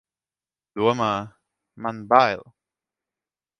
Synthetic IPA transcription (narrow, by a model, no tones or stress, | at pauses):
d̪̥uəmaː | manbajlˠ